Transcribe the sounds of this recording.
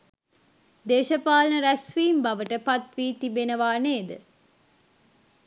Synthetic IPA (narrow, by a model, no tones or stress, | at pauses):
d̪eːʃɐpaːlnəɾæsʋiːmbɐʋəʈəpat̪ʋiːt̪ibenəʋaːneːd̪ə